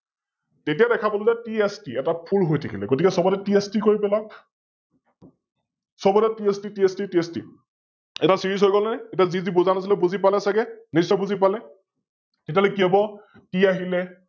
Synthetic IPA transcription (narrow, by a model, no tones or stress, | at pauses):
tetiadɛkʰapɔlɔzɛtiestiɛtapʰulɦojtʰekʰilɛɡotikɛsɔbɔtɛtiestikoɹipɛla | sɔbɔtɛtiestitiɛstitiestḭ | ɛtasiɹisɦojɡɔlɛnɛetiazizibuzanasilɛbuzipalɛsaɡɛnisɔbuzip̬alɛ | tet̬ialekiabɔ | tiaɦilɛ